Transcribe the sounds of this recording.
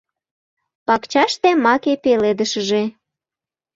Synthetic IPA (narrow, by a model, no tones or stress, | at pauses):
pɑkt͡ɕɑʃt̪emɑkepeled̪əʃəʒe